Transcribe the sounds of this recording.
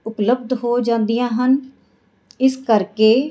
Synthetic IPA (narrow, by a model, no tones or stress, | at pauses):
ʊpləb̚d̪ɦoːd͡ʒãːnd̪ijãːɦən | ɪskəɾkeː